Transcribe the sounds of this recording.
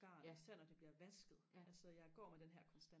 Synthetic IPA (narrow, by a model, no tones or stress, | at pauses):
ɡ̥ɑ̰̈ːlisæɐ̰nɒd̥e̝b̥liɐʋæsɡ̥ð̩ˠælsɒjɑ̈ɪɡ̥ɒ̰ːmed̥enɦæɐ̰kʰɒ̽nsd̥æn